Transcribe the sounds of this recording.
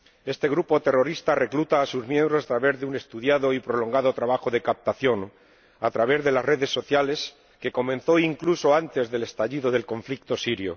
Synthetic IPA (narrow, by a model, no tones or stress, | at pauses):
e̞st̪e̞ɣ̞ɾupo̞t̪e̞ro̞ɾist̪are̞klut̪aːsuzmjẽ̞mbɾosat̪ɾaβe̞zðeune̞st̪uðjaðo̞ipɾo̞lo̞ŋɡað̞o̞t̪ɾaβaxo̞ðe̞kap̚t̪aθjo̞ŋ | at̪ɾaβ̞e̞zðe̞lasre̞ðe̞sːo̞θjale̞s | ke̞ko̞mẽ̞nθo̞iŋkluso̞ant̪e̞zðe̞le̞st̪aʎiðo̞ðe̞lko̞ɱflik̚t̪o̞siɾjo̰